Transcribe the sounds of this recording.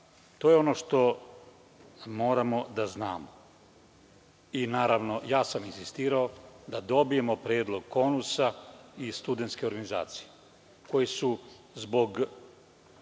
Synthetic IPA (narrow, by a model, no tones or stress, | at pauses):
t̪o̞ːjeo̞no̞ʃt̪o̞ | mo̞ːɾamo̞d̪aznaːmo | inaːɾaʋno̞jaːsaminsist̪iːɾao̞d̪ad̪o̞bije̞mo̞pɾjeːd̪lˠo̞ɡko̞nusaist̪ud̪ent̪ske̞o̞ɾɡaniza̰ːt̪si̥je | ko̞jesu | zbo̞ɡ